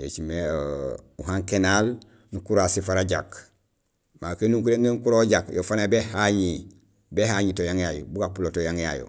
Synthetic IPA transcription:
jḛt͡ʃimeouɦaŋkenal | nukuɾasifaɾaɟak | makenuŋkuɾenenkuɾoɟakjofanabehaɲi | behaɲitojaŋjajobuɡapulotojaŋja̰ːjo̰

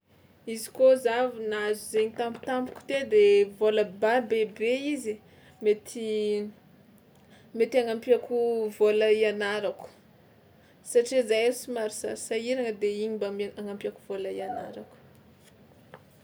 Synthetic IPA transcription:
izi̥kozavinazuzeɲit̪ambi̥t̪ampu̥kʲu̥t̪ed̪evoləbabebeizi | met̪ʰi | met̪iaŋampiakuvolaianaɾaku̥ | saʈ͡ʂizajsimaɾisa̰ɾisaiɾaŋəd̪eiɲimbamaŋampiaku̥v̥olaiana̰ɾaku̥

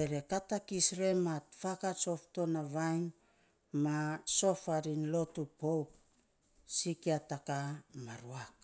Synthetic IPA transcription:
eɾe̞katakisɾe̞matfakaso̞fto̞naβajn | maso̞faɾinlo̞tupowk̚ | sikiatakamaɾuak̚

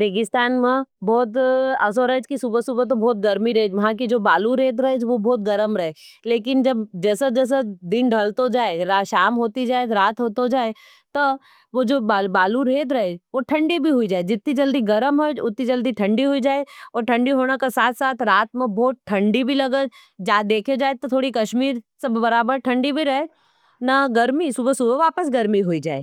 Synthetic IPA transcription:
beːɡɪst̪aːnmẽbɔːt̪ɐs̬oɾəɦd͡ʒkisubəsubət̪̬obɔːt̪̚ɡɐɾmiɾɐɦed͡ʒʋɐɦãkid͡ʒoːbaːluɾeːd̪ɾɐɦed͡ʒʋobɔːt̪̚ɡɐɾəmɾɐɦeleːkɪnd͡ʒɐbd͡ʒɛːsed͡ʒɛːs̬ed̪ɪnɖʱɐlt̪od͡ʒaːeɾaʃaːmɦoːt̪id͡ʒaːed͡ʒɾaːt̪ɦoːt̪od͡ʒaːe | t̪o | ʋod͡ʒoːbabaːluɾeːd̪ɾɐɦed͡ʒʋoʈʰɐ̃ɳɖibʱiɦʊid͡ʒaːed͡ʒɪt̪nĩd͡ʒɐld̪iɡɐɾəmɦod͡ʒʊt̪nĩd͡ʒɐld̪iʈʰɐ̃ɳɖiɦoid͡ʒaːeɔːɾʈʰɐ̃ɳɖiɦoːnakesaːt̪ʰsaːt̪ʰɾaːt̪mẽbɔːt̪̚ʈʰɐ̃ɳɖibʱilɐɡət̪ | d͡ʒaːd̪eːkʰed͡ʒaːet̪ot̪ʰoːɽikɐʃmiːɾsebbɐɾaːbəɾʈʰɐ̃ɳɖibʱiɾɐɦe | naɡɐɾmisʊbəsʊbʱʋaːpəsɡɐɾmiɦoid͡ʒa̰ːḛː

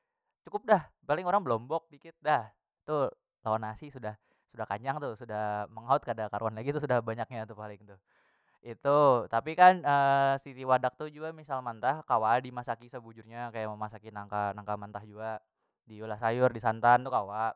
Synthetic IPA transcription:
t͡ʃukʊp̚dahpalɪŋoɾaŋbəlɔmbɔk̚dikɪt̪̚dah | t̪u | lawanasisudah | sudahkaɲd͡ʒaŋt̪ʊsudahməŋaʊt̪̚kadakaɾuanlaɡit̪us̬udahbaɲak̚ɲat̪upalɪŋt̪ʊ | it̪ut̪apikanəsit̪iwadak̚t̪ud͡ʒuɡamisalmant̪ahkawadimasakisəbud͡ʒʊrɲakajaməmasakinaŋkanaŋkamant̪ahd͡ʒuɡaʔ | diulahsajʊrdisant̪ant̪ukawaʔ

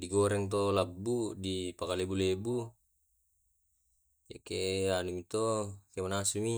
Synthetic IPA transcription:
diɡoɾɛŋt̪̬olabːudipakalebulebu | jakeʔanumit̪okemanasumi

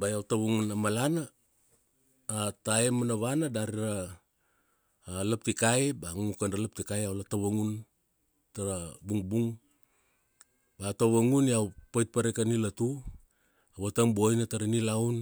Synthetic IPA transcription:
bajawtaβaŋunamalana | taemanaβanadaɾiɾa | lap̚tikajbaŋuŋukanɾalap̚tikajawlataβaŋun | taɾabuŋbuŋ | bataβaŋuniawpajt̚paɾekanilatu | awataŋbojnataɾanilawn

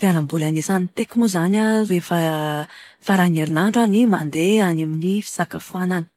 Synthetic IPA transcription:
fialambulanisanit̪ekimuzanarefa | faɾaneɾinaɳʈ͡ʂanimand̪eanaminifi̥sakəfuanani̥

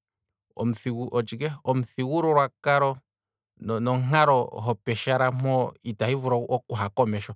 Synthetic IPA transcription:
ɔ̰m̩θiuʔɔt͡ʃikɛɔm̩θiwuɾɔɾwakaɾɔ | nɔnɔŋaɾɔɦɔpɛʃaɾamɔitahivuɾɔɔkuɦakɔmɛʃɔ

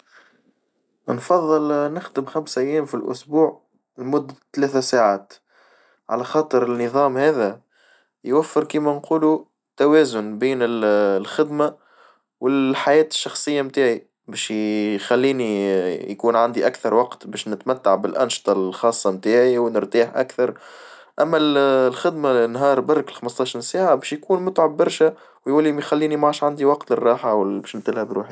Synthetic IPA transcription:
nfɑðˤːɨlnɪxd̪əmxæmsʔæjːɛːmfilʔʊ̰sbuːʕ | lmʊd̪ːt̪ːlɛːθæsaːʕaːt̪ | ʕa̰læxɑːt̪ˤəɾɪnːɨðˤɑːmhɛːðæ | jwæfːəɾkiːmænquːlu | t̪ːæwɛːzʊnbiːnɪllxɪd̪ma | wɪlħajɛːt̪ɪ̥ʃːɑxsˤɨjːamt̪aːʕi | bɛːʃxælːiːnijkuːnʕand̪iʔækθɑɾˤwɑqt̪bɛːʃnɪt̪mæt̪ːaʕbɪlʔa̰nʃt̪ˤɑlxɑːsˤːɑmt̪aːʕiwnəɾt̪iːħʔa̰kθɑɾˤ | ʔæmːællxɪd̪manɦɑːɾˤbɑrˤːkɪlxɑməst̪ˤɑːʃɑɾsaːʕabɛːʃjkuːnmʊt̪ʕabːɑɾˤʃæ | wjʔulːimixælːiːnimʕaːʃʕand̪iwɑqt̪lɪrˤːɑːħawbɛːʃnt̪ɪlhæbɾṵːħi

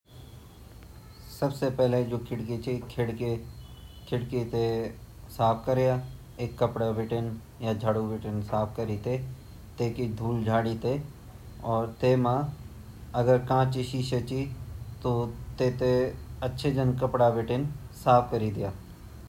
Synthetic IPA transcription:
sɐbsepɛɦled͡ʒoːkʰɪɽket͡ʃekʰɪɽke | kʰɪɽkit̪e | saːpʰkəɾejaː | eːkːɐpɽaʋɪʈən | jad͡ʒʱaɽuʋɪʈənsaːp̚ʰkɐɾit̪e | t̪eːkid̪ʱuːld͡ʒʱaːɽit̪e | ɔːɾt̪eːmã | ɐɡəɾkãːt͡ʃiʃiʃət͡ʃit̪ot̪eːt̪eɐtːʃʰed͡ʒənkɐpɽaʋɪʈənsaːp̚ʰkɐɾid̪ɪjaː

